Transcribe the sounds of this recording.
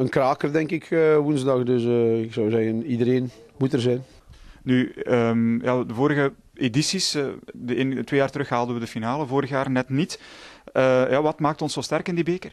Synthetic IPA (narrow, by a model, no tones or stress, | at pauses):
ənkraːkərdɛŋkɪkːʋunzdɑxdɵsɪksɔwzɛɣənidəɾeːn | mutərzɛjn | nyəmjaːdəvoːɾəɣə | edisisdəeːnətːweːjaːrtəɾɵxɦaːlˠdənʋədəfinaːləvoːɾəxjaːrnɛtnitəjaːʋɑtmaːktɔnsoːstɛrkɪndibeːkər